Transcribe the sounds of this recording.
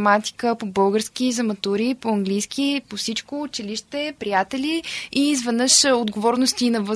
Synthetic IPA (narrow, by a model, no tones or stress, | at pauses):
ɛmat̪i̥kəpobɤlˠɡəɾsk̟izɐmɐt̪uɾipoɐŋɡlijskʰʲipofsit͡ʃkoːt͡ʃiliʃt̪ɛpɾijat̪ɛliizvɛd̪nəʃod̪ɡovɔɾnost̪inɐvɤ